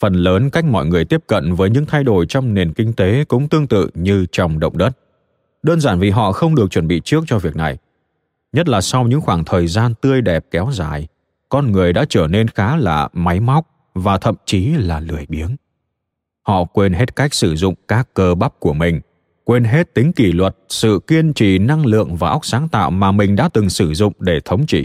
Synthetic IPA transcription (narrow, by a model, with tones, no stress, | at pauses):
fə˨˩nləː˨˦nka˦˥jk̟̚mɔ̰˧˨jŋɨ˨˩əjt̪i˦˥əp̚kə̰˧˨nvəː˨˦jɲɨ̰˧˥ŋt̪ʰa˧jɗo˧˩jt͡ɕɔ˧wŋ͡mne˨˩nkï˧ŋ̟t̪e˨˦kʊ̰˧˥ŋ͡mt̪ɨ˧əŋt̪ɨ̰˧˨ɲɨ˧t͡ɕɔ˧wŋ͡mɗə̰˧˨wŋ͡mɗə˦˥t̚ | ɗəː˧nzaː˧˩nvi˨˩ɦɔ̰˧˨xə˧wŋ͡mɗɨ˨˩ək̚t͡ɕwə˧˩nɓḭ˧˨t͡ɕɨ˦˥ək̚t͡ɕɔ˧vi˨˩ək̚na˨˩j | ɲə˦˥t̚laː˨˩sa˧wɲɨ̰˧˥ŋxwaː˧˩ŋt̪ʰəː˨˩jzaː˧nt̪ɨ˧əjɗɛ˨˩p̚kɛ˨˦wzaː˧˩j | kɔ˧nŋɨ˨˩əjɗa̰ː˧˥t͡ɕəː˧˩ne˧nxaː˨˦laː˨˩ma˨˦jma˦˥wk͡p̚ | vaː˨˩t̪ʰə̰˧˨mt͡ɕi˨˦laː˨˩lɨ˧˩əjɓi˨˦ən | hɔ̰˧˨kwe˧nɦe˦˥t̚ka˦˥jk̟̚sɨ˧˩zʊ̰˧˨ŋ͡mkaː˦˥kːəː˧ɓa˦˥p̚ku˧˩əmï˨˩ŋ̟ | kwe˧nɦe˦˥t̚t̪ï˨˦ŋ̟ki˧˩lwə˨˩t̚sɨ̰˧˨ki˧ənt͡ɕḭ˧˨na˧ŋlɨ̰˧˨əŋvaː˨˩ʔa˦˥wk͡p̚saː˨˦ŋt̪a̰ː˧˨wmaː˨˩mï˨˩ŋ̟ɗa̰ː˧˥t̪ɨ˨˩ŋsɨ˧˩zʊ̰˧˨ŋ͡mɗe˧˩t̪ʰə˨˦wŋ͡mt͡ɕḭ˧˩˨